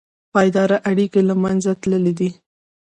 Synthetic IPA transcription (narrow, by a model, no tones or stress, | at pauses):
pɑjd̪ɑɾaʔaɽikelamanzat̪ləled̪i